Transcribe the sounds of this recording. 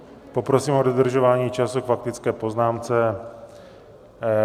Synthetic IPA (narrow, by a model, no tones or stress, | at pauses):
po̞pɾo̞siːmodod̪r̩ʒovaːɲiːt͡ʃasukfak̚t̪ɪt͡skɛːpo̞znaːmt͡sɛ